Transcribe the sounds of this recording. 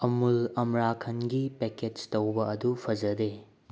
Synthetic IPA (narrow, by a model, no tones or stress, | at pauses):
ɐmulɐmɾakʰɐnɡipeked͡ʒtɐwbɐɐdupʰɐd͡ʒɐde